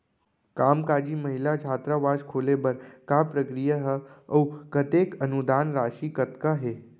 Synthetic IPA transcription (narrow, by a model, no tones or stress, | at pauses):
kamkad͡ʒiːməɦilat͡ʃʰaːt̪ɾaʋaʃkʰolebəɾkapɾəkɾijəɦəwkət̪ekənud̪aːnɾaʃiːkət̪kaɦe